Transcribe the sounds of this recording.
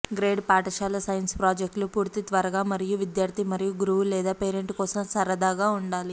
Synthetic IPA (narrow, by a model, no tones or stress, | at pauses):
ɡɾeːɖpaːʈɐʃaːlɐsɐjɐnspɾaːd͡ʒek̚ʈlupuːɾt̪it̪ʋɐɾɐɡaːmɐɾijuʋid̪jaːɾt̪ʰimɐɾijuɡuɾuʋulɛːd̪aːpeːɾeɳʈkɔːsɐmsɐɾɐd̪aːɡaːuɳɖaːli